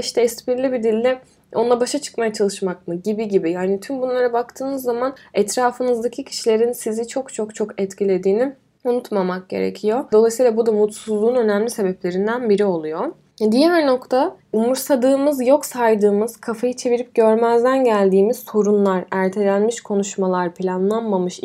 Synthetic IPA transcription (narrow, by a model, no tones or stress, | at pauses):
iʃt̪ʰɛɛspiɾlʲibid̪ilʲːi | o̞nlˠabaʃat͡ʃʰɯ̥kmajat͡ʃʰalˠɯʃmak̚mɯɟibiɟibijaːnit̪ʰymbunlˠaɾabakt̪ʰɯːmɯzːamanɛt̪ɾaːfɯnɯzd̪acʰicʰi̥ʃilʲe̞ɾinsizit͡ʃʰo̞kt͡ʃʰo̞kt͡ʃʰokɛt̪cʰilʲe̞d̪iːni | unut̪mamak̚ɟe̞̰ɾḛcʰijo̞d̪o̞lˠajsɯjlˠabud̪amut̪suzlˠuːnø̞næmlʲise̞bɛplʲe̞ɾind̪ænbiɾio̞lˠujo | d̪ijæɾno̞kt̪ʰaumuɾsad̪ɯːmɯzjo̞ksajd̪ɯːmɯz̥kʰafajɯt͡ʃʰe̞viɾip̚ɟø̞ɾmæzd̪ænɟælʲd̪iːmiz̥so̞ɾunlˠaɾæɾt̪ʰe̞lʲænmiʃkʰo̞nuʃmalˠaɾpʰilʲanlˠanmamɯʃ